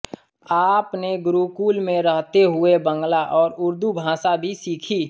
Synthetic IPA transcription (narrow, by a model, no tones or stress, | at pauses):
aːpneɡʊɾukuːlmẽɾəɦt̪eɦʊebə̃ŋɡlaʔɔːɾʊɾd̪ubʱãːsabʱisiːkʰiː